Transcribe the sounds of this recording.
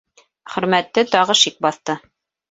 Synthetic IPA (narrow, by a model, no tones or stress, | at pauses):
χɵ̆ɾmæt̪ːɘt̪ɑʁɤʃik̚bɑθt̪ɤ